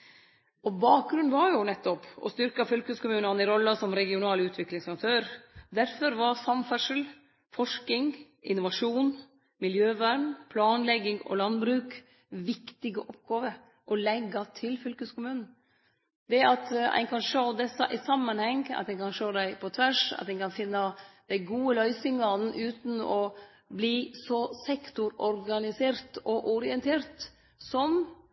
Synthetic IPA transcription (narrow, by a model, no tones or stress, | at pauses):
ʔɔbɑːk̚ɡɾʉnʋɑɾjʊnɛt̪ːɔpɔ̰st̪ʏɾkɑfʏlkəskʊmʉːnɑnɪɾɔlːɑsɔmɾɛɡɪʊnɑːlʉːt̪ʰʋɪklɪŋsɑk̚t̪ʰøːɾd̪æɾfɔɾʋɑɾsɑmfæʂəl | fɔʂkɪŋ | ʔɪnʊʋɑʂuːn | mɪljøːʋæɾmpʰlɑːnlɛɡːɪŋɔ̰lɑnbɾʉːk | ʋɪkt̪ɪɡəʔɔp̚ɡɑːʋə | ʔɔlɛɡːɑt̪ʰɪlfʏlkəskʊmʉːnn̩ | d̪ɛɑt̪æ̰ɪkʰɑnʂoːd̪ɛsːɑʔɪsɑmːɑnhɛŋɑ̰t̪æɪkɑnʂoːd̪æɪpʰɔt̪ʰʋæʂɑ̰t̪d̪ɛɪkɑnfɪnːɑd̪̥ɛɪɡuːəlœʏsɪŋɑnn̩ʔʉːt̪n̩ɔ | bliːsɔsɛkt̪ʊɾɔɾɡɑnɪseːɾt̪ɔʔɔɾɪɛnt̪ʰeːɾt̪ | sɔm